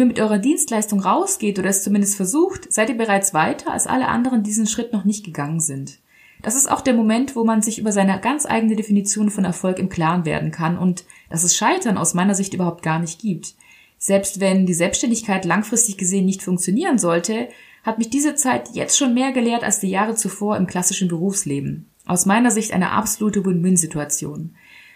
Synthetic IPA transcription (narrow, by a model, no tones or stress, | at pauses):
iːɐmɪtʔɔʏʁɐdiːnstlaɪstʊŋʁaʊsɡ̥eːtʔoːɾɐɛst͡sumɪndəstfɛɐzuːxtz̥aɪtiːɐbəʁ̞aɪt͡sv̥aɪtʰɐa̰lsʔa̰ləʔa̰ndəʁəndiːzn̩ʃʁ̥ɪtnɔχnɪçt̚ɡ̥əɡaŋənzɪnt | d̥as̬ɪsta̰ʊxd̥eːɐmomɛntv̥oːmanzɪçʔyːbɐzaɪnəɡant͡sʔa̰ɪɡənədefinit͡sjoːnfɔnɛ̰ɐfɔlkɪmkʰl̥aːnvḛːɐdn̩kʰanʔʊ̰nt | d̥as̬ɛsʃaɪtʰɐnʔa̰ʊsmaɪnɐzɪçtʔyːbɐhʊpt̚ɡ̥aːɐnɪçt̚ɡ̥iːp̚t | z̥ɛlpstv̥ɛndiːzɛlpsʃtɛndɪçkʰaɪtlaŋfʁ̥ɪstɪçɡ̥əzeːənːɪçtfʊŋkt͡sjoniːʁənzɔltʰə | hatmɪçd̥iːzət͡saɪtjɛ̰t͡stʃoːnmeːɐɡəleːɐta̰lsd̥iːjaːʁ̞ət͡sufoːɐɪmkʰl̥asɪʃn̩bəʁ̞uːfsleːbm̩ | ʔa̰ʊsmaɪnɐzɪçtʔa̰ɪnə̰ʔa̰pz̥oluːtəbuynzituat͡sjo̰ːn